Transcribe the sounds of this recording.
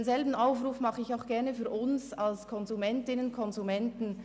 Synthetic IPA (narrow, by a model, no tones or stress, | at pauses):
nzɛlbn̩aʊfʁuːfmɑχəɪçaʊxɡ̥ɛʁnəfyːɐʔʊnsalskʰɔnzumɛntɪnənkʰɔnzumɛntn̩